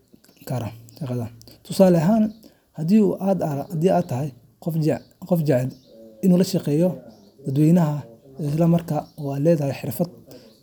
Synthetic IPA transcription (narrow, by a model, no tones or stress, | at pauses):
kʰɐɾɐʃɑqɑðɐt̪ʰʊsaːlɐɦaːn | hɐd̪iuʔd̪d̪iːat̪ʰɐɦɛj | qɔfd͡ʒɛʕɛl | ɪnuːlɐʃɑqɛːjɔ | d̪̥ɐd̪wɛːjnɐɦɐɪslɐmɐrkʰaɔːaːlɛːðɐhɛjħɪrfɐd̪